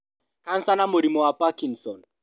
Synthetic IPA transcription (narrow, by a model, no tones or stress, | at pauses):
kan̩sanamʊɾimɔwapakiŋ̩sɔn